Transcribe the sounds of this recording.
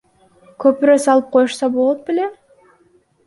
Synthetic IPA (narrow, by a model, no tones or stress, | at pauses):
kʰøpɾøsɑlˠɯp̚qʰo̞juʃsɑbo̞lˠot̪̚bele̞